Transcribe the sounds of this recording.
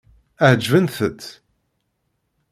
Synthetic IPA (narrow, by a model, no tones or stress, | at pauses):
əʕd͡ʒvənθət̪